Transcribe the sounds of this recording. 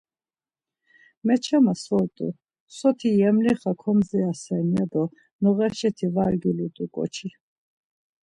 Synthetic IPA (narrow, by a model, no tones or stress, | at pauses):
mɛt͡ʃʰɛmasvɔlt̪ʼṵ | sɔt̪ʰijɛmliχakʰɔmzɛasɛnjad̪ɔ | nɔʁɛʃɛt̪ʰivaɾɡilut̪ʼukʼɔ̰t͡ʃʰi